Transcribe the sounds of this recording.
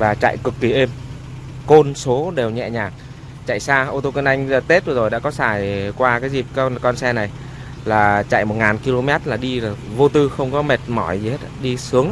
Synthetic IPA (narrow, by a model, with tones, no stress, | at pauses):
vaː˨˩t͡ɕa̰ː˧˨jkɨ˨˩kːi˨˩ʔe˧m | ko˧nso˨˦ɗe˨˩wɲɛ̰˧˨ɲaː˨˩ŋ̚ | t͡ɕa̰ː˧˨jsaː˧ʔo˧t̪o˧kə˧nʔa˧jŋ̟zt̪e˦˥t̚ɗɨ˨˩zo˨˩jɗa̰ː˧˥kɔ˨˦saː˧˩jkwaː˧kaː˨˦jzi˨˩p̚knkɔ˧nsɛ˧na˨˩j | laː˨˩t͡ɕa̰ː˧˨jmo˨˩t̚ŋaː˨˩nki˧lo˧mɛ˦˥t̚laː˨˩ɗi˧˨˩vo˧t̪ɨ˧xə˧wŋ͡mkɔ˨˦me˨˩t̚mɔ˧˩jzi˨˩he˦˥t̚ɗi˧sɨ˨˦əŋ